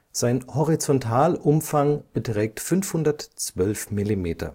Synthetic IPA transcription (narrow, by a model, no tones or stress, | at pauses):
z̥aɪnhɔʁit͡sɔntʰaːlʔʊmfaŋb̥ətʁ̥ɛːk̚tfʏnfhʊndɐtt͡sv̥œlfmilimeːtɐ̰